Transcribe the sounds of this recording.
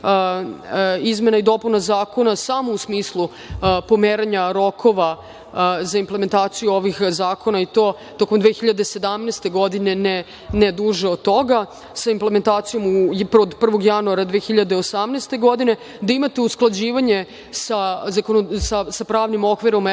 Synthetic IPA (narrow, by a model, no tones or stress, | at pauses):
izme̞naid̪o̞punazaːko̞nasamousmiːslˠu | po̞meːɾaɲaɾo̞kʰo̞ʋa | zaimplˠe̞me̞nt̪aːt̪sijuo̞ʋixzaːko̞nait̪o̞ː | t̪o̞komd̪ʋeːxiʎad̪e̞se̞d̪amnest̪e̞ɡo̞d̪inene | ned̪uʒeod̪̚t̪ːo̞ɡa | saimplement̪aːt̪sijo̞mupod̪pr̩ʋo̞ɡjanuaɾad̪ʋexiʎad̪eosamneːst̪e̞ɡo̞d̪ine̞ | d̪aimat̪eusklˠad͡ʑiːʋaɲe̞ | sazakonosasapɾaːʋnimo̞kʋiɾo̞m